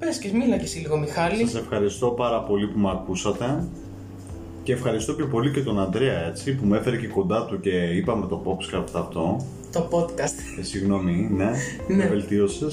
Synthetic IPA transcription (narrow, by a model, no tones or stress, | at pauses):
pescezmilɐcesiliɣo̞mixɐlsiɐse̞fxɐɾist̪o̞pɐɾɐpo̞lipumɐkusɐt̪e̞ | ce̞ːfxɐɾist̪o̞pçʰo̞po̞lice̞t̪o̞nɐnd̪ɾeɐe̞t͡sipumefeɾece̞ko̞nd̪ɐt̪uce̞ipɐme̞t̪o̞po̞pskɐɾt̪ɐft̪o̞ | t̪opot̪kɐst̪siɣno̞mine̞ | nevelt̪io̞ses